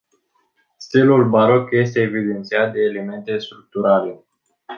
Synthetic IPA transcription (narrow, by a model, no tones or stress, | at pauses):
st̪ilulbaɾo̞kje̞st̪e̞ːvid̪e̞nt̪siat̪̚d̪e̞ːleme̞nt̪e̞st̪ɾuk̚t̪uɾale̞